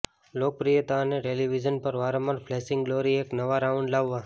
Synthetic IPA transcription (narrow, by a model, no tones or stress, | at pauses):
lok̚pɾijət̪aneʈeliʋid͡ʒənpəɾʋaɾəməɾfʰlesɪ̃ŋɡloɾieknəʋaɾaʊ̃ɳɖlaʋːa